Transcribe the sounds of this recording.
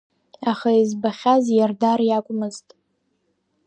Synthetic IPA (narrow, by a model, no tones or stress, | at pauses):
aχaizbaχʲazjardarjakʷʼʊmɨztʼ